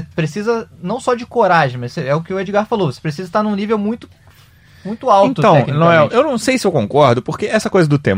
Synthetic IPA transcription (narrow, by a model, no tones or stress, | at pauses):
sepɾesizɐnɐ̃w̃sɔd͡ʒɪkoɾaʒẽj̃mɐsseɛʊkɪʊed͡ʒiɡaɾfalowvose̥pɾes̬izɐist̪aɾnũnivewmũj̃t̪ʊ̥ | mũj̃t̪ʊawet̪ʊɐ̃w̪ɛkkinɐ̃w̃ɛ̃ewnɐ̃w̃sejsɪewkõŋkɔɾd̪ʊpoɾkeɛsɐkojzɐd̪ʊt̪ḛ̃m